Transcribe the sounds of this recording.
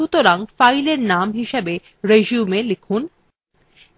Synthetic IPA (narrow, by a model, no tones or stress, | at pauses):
ut̪oɾaŋfajleɾnamɦiʃebe | ɾeʒiumelikʰun